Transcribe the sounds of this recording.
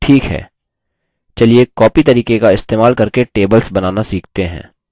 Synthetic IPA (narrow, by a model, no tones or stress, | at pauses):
ʈʰiːkɦɛ̰ː | t͡ʃɐliekɔːpit̪ɐɾiːkekaɪst̪eːmaːlkɐɾkeʈeːbəlsbɐnaːnasiːkʰt̪eɦɛ̰̃ː